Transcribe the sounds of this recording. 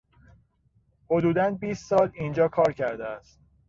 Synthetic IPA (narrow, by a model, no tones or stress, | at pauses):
ho̞d̪uːd̪ænbiːst̪sɒːliːnd͡ʒɒːkʰɒːɾcʰæɾd̪eæst̪̚